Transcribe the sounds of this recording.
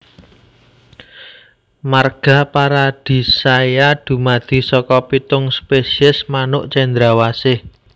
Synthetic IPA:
marɡ̥ä̤paɾad̪̥i̤sajad̪̥ṳmad̪̥i̤sɔkɔpit̪ʊŋspesiɛsmanʊʔt͡ʃɛnd̪ɾawasɪh

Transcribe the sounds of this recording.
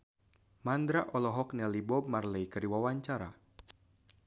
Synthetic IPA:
mand̪ɾaʔɔlɔɦɔknɛlibɔb̚marlɛjkəɾiwawaɲt͡ʃaɾa̰

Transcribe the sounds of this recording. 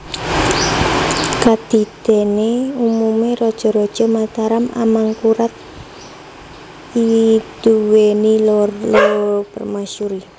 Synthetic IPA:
kad̪̥i̤d̪̥e̤neumumeɾɔd̥ʒ̥ɔ̤ɾɔd̥ʒ̥ɔ̤mat̪aɾama̰maŋkuɾat̪̚ | id̪̥uwenilorlʊpərmasuɾi

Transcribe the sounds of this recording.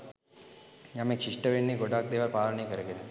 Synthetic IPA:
jaːmekʃiʂʈɐʋeɳːiɡoɖaːk̚d̪eːʋaɾpaːɾɐɳekɐɾɐɡene

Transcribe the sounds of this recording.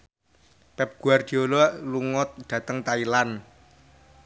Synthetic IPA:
pɛp̚ɡ̥ṳard̪̥i̤olɔluŋɔt̪̚d̪̥ä̤t̪əŋt̪ailan

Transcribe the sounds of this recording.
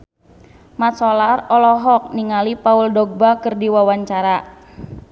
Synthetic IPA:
mat̪sɔlarɔlɔɦɔk̚niŋalipauldɔɡ̚bakɨrdiwawaɲt͡ʃaɾa

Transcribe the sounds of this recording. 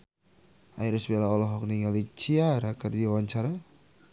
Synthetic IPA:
ʔa̰iɾisbelaɔlɔɦɔk̚niŋalit͡ʃiaɾakərdiawaɲt͡ʃaɾa

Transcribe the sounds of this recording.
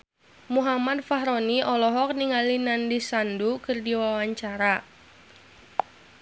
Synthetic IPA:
muɦamad̚faɦɾoniʔɔlɔɦɔk̚niŋalinandisandukɨrdiwawaɲt͡ʃaɾa

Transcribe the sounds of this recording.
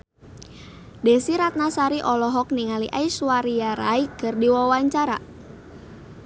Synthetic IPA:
dɛsiɾat̪̚nasaɾiʔɔlɔɦɔk̚niŋaliʔaisuwaɾijaɾaikɨrdiwawaɲt͡ʃaɾa̰

